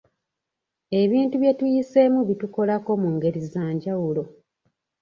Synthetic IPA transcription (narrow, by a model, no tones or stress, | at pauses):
e̞βiːntuβje̞tujise̞muβituko̞lako̞muŋɡe̞ɾizaːɲɟawulo̞